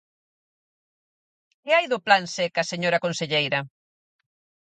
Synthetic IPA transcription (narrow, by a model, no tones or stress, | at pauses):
kɪajðʊplansɛkɐseɲoɾɐkonseʎejɾɐ